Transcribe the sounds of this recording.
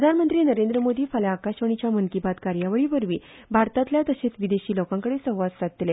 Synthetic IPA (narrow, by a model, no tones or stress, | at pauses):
pɾəd̪ʱanmənt̪ɾiːnəɾend̪ɾəmod̪iːfaljaakaɕʋəɳ̃it͡ɕjaməŋkibat̪kaɾjaʋəɭiʋəɾʋḭː | bʱaɾt̪at̪ljat̪əset͡sʋid̪eɕiːlokãŋkəɽesəɦʋad̪sat̪̚t̪le